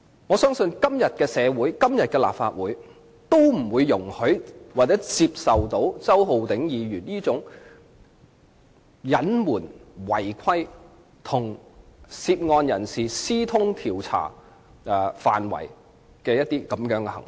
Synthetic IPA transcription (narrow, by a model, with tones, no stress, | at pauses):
ŋɔː˨˧sœː˥ŋsɵ˧nkɐ˥mjɐ˨t̚kɛː˧sɛː˨˧wuː˨˥jkɐ˥mjɐ˨t̚kɛː˧la̰ː˨p̚fa̰ː˧t̚wuː˨˥j | t̪o˥wm̩˨˩wuː˨˧jːʊ˨˩ŋhɵ˨˥ɥwaː˨k̚t͡sɛː˨˥t͡siː˧p̚sɐ˨˩wt̪o˨˥wt͡sɐ˥wɦo˨˧wt̪ɪ˨˥ŋjiː˨˧ɥyː˨˩njiː˥t͡sʊ˨˥ŋ | jɐ˨˥nmuː˨˩nwɐ˨˩jkʰɐ˥j | t̪ʰʊ˨˩ŋsiː˧p̚ŋɔː˧njɐ˨˩nsiː˨˩siː˥t̪ʰʊ˥ŋt̪ʰiː˨˩wt͡sʰa̰ː˨˩ | ɛ˨fa̰ː˨˩nwɐ̰˨˩j | kɛː˧jɐ˥t̚t̪iː˥kɐ˨˥mjœː˨˥ŋkɛ˧hɐ̰˨˩ŋ